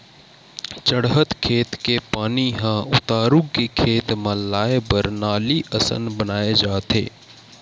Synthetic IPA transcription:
t͡ʃəɽɦət̪kʰeːt̪kepaːniɦãʊt̪aːɾʊɡkekʰeːt̪mə̃laːebəɾnaːliʔəsə̰nbənaːed͡ʒaːt̪ḛː

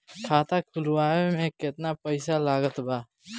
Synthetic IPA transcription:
kʰaːt̪akʰʊlwaːemẽkɪt̪napəɪsalaːɡət̪baː

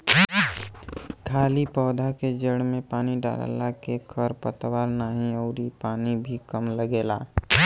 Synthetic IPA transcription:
kʰaːlipɔːd̪ʱaked͡ʒəɽmẽpaːniɖa̰ːla̰lakekʰəɾpət̪waːɾnaːɦĩəːɾipaːnibʱikəmləɡeːla̰ː

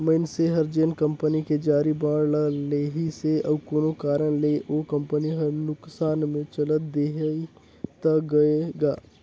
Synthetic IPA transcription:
məɪnseɦəɾd͡ʒeːnkə̃mpəniked͡ʒaːɾibãːɽləleːɦiseəbkoːnokaːɾənleʔokə̃mpəniɦəɾnʊksaːnmẽt͡ʃələt̪̚d̪eɦe | t̪əɡɐeɡaː

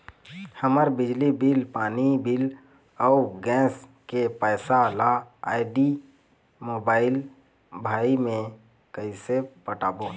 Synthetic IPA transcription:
həməɾbɪd͡ʒlibɪlpaːnibɪl | ɔʊɡɛ̃ːskepəːsalaaːɪɖi | moːbaːɪl | bʱaːimẽ | kəisepəʈaːboː

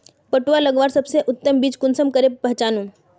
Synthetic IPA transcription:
pəʈualəɡʋaːɾsɐbseʔʊt̪ːəmbiːd͡ʒkʊnsəmkəɾepɐɦt͡ʃaːnũ

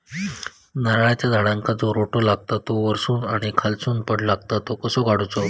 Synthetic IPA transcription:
naɾɭat͡ɕjad̪ʱaɽãŋkad͡zoɾoʈolaɡ̚t̪at̪oʋəɾsuːnaɽ̃ikʰalt͡suːnpəɽlaɡ̚t̪at̪okəsoɡaɽut͡so

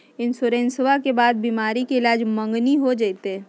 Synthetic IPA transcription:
ɪnsʊɾẽːnswakebaːd̪̚biːmaːɾikeɪlaːd͡ʒmə̃ŋɡniɦod͡ʒat̪ɦɛ̃ː

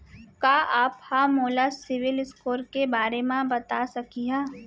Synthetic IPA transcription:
kaːʔaːphamoːlasɪʋɪlɪskoːɾkebaːɾemãbɐt̪asɐkiɦaː

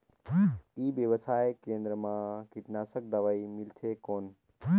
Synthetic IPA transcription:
iːbjəʋəsaːjkẽːnd̪ɾəmãːkɪʈnaːsək̚d̪ɐʋaːimɪlt̪ʰeːkoːn

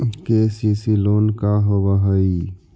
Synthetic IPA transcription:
kesisiloːnkaɦobaɦəi

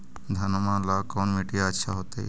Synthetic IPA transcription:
d̪ʱɐnmãlakɔːnmiʈijaətːʃʰaɦot̪ḛ

